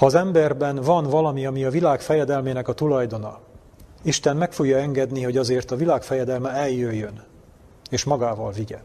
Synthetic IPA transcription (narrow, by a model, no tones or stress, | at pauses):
hɒːzɛmbɛrbɛnvɒnvɒlɒmiɒmiɒvilaːkfɛjɛd̪ɛlmeːnɛkɒt̪ulɒjd̪o̞nɒ̰ | iʃt̪ɛnmɛkfo̞ɡjɒɛŋɡɛd̪niɦo̞ɟɒzeːrt̪ɒvilaːkfɛjɛd̪ɛlmɛɛljːøjːøn | eːʃmɒɡaːvɒlviɟɛ